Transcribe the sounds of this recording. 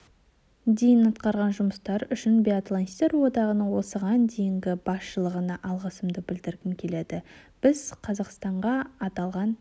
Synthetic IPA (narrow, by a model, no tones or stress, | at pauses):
d̪e̞jɪnɑt̪qɑɾʁɑnʒʊməst̪ɑɾʏʃɪnbiat̪lˠanst̪e̞ɾwo̞d̪ɑʁənəɴwo̞səʁɑnd̪e̞jɪŋɡʲɪbɑsʃəlˠəʁənɑʔɑlˠʁɑsəmd̪əbɪld̪ɪɾɡʲɪŋkʲʰe̞le̞d̪ɪb̥ɪzqʰɑzɑqst̪ɑɴʁɑɑt̪ɑlˠʁɑn